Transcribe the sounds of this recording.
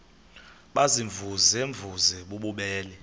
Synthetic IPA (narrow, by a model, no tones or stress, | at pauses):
ɓaziɱvʱuzeɱvʱuzɛɓuɓuɓɛːlɛ